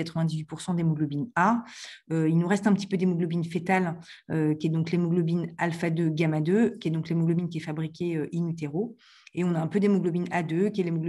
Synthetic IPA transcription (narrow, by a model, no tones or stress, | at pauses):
at̪χəvɛ̃d̪izɥipuʁsɑ̃d̪emɔɡlɔbinaøilnuʁɛst̪ɛ̃pət̪i̥pød̪emɔɡlɔbinfet̪aløkʲiɛd̪ɔ̃klemɔɡlɔbinalfad̪øɡamad̪økʲiɛd̪ɔ̃klemɔɡlɔbinkʲiɛfabʁikʲeøʔinyt̪eʁo | eɔ̃naɛ̃pød̪emɔɡlɔbinad̪økʲiɛlemɔɡlɔ